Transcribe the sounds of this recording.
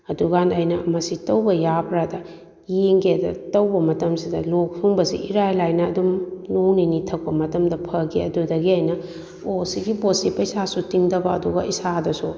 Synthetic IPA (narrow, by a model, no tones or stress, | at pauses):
ɐduɡanɐjnɐɐmɐsitɐwbɐjapʰɾadɐ | jeŋɡeɐdɐtɐwbɐmɐtɐmsidɐlok̚suŋbɐsḭʔiɾajlajnɐɐdumnowninitʰɐk̚pɐmɐtɐmdɐpʰɐɡiɐdudɐɡiajnɐ | osiɡibosipɐjsasutiŋdɐbɐːduɡɐisadɐsu